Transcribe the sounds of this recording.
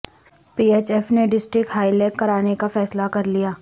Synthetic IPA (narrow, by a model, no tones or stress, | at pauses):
piːeːt͡ʃɛːfneɖɪsʈɾɪkʈɦaːileːkːɐɾaːnekafɛːslakɐɾlijaː